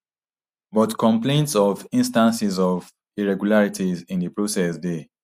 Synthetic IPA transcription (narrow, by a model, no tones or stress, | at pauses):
bɔtkɔ̃mplẽntsɔvĩnstãnsizɔv | iɹɛɡjulaɹitʰizĩndəpɹosɛsde